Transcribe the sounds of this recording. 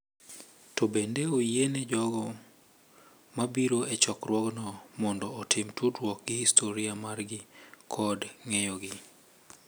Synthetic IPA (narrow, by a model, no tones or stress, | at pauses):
tobendeojenɛd͡ʒɔɡɔ | mabiɾoɛt͡ʃɔkrwɔɡnɔmɔndɔːtʰɪmtʰudɾwɔk̚ɡɪhistʰoɾiamarɡɪkʰɔdŋejɔɡɪ